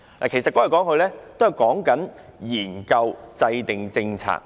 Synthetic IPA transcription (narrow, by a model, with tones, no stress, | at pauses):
la̰ː˨˩kʰjsɐ˨tkɔ˨˥ɐ˨˩kɔː˨˥ŋkɵ˧ɥlɛː˥t̪o˥whɐ˨˩jkɔː˨˥ŋkɐ˨˥njiː˨˩nkɐ˧wt͡sɐ˧jt̪ɪ˨ŋt͡sɪ˧ŋt͡sʰa̰ː˧k̚